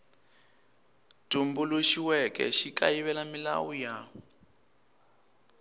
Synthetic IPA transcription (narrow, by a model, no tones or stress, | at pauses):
tumbuluʃiwɛkɛ̰ʃikajiβɛlamila̰wuja